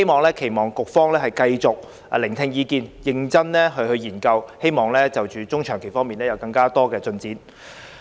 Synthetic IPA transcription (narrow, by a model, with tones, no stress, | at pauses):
e˥jmɔː˨˩ŋlɛː˥kʰe˨˩jmɔː˨˩ŋkʊ˨k̚fɔː˥ŋlɛː˥hɐ˨jkɐ˧jt͡sʊ˨k̚ː | lɪ˨˩ŋt̪ʰɪ˧ŋjiː˨˧kiː˧njɪ˨˧ŋt͡sɐ˥nlɛː˥ɦɵ˧ɥhɵ˧ɥjiː˨˩nkɐ˧whe˥jmɔː˨˩ŋlɛː˥t͡sɐ˨wt͡ʃyː˨t͡sʊ˥ŋt͡ʃʰœː˨˩ŋkʰe˨˩fɔː˥ŋmiː˨nɛː˥jɐ˨˧wkɐ˧ŋkaː˥t̪ɔː˥kɛː˧t͡sɵ˧nt͡siː˨˥n